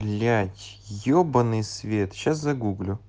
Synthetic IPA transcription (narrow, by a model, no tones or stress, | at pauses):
lʲætʲjobənɨjsvʲe̞t̪ɕas̬zɐɡuɡlʲʊ